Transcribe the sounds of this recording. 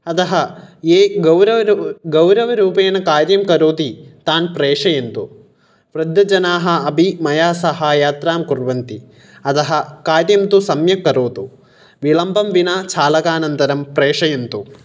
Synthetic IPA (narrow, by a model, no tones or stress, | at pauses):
ɐd̪ɐɦɐ̆eːɡɐwɾɐʋɐɡɐwɾɐʋɐɾuːpeːnɐkaːɾjɐmkɐɾoːt̪it̪aːnpɾeːʂɐjɐnt̪u | pɾɐd̪jɐd͡ʒɐnaːɦɐ̆ɐbʱimɐjaːsɐɦaːjaːt̪ɾaːmkuɾʋɐnt̪i | ɐt̪ɐɦɐ̆kaːɾjɐmt̪usɐmjɐkɐɾoːt̪u | ʋilɐmbʱɐmʋinaːt͡ʃʰaːlɐkaːnɐnt̪ɐɾɐmpɾeːʂɐjɐnt̪u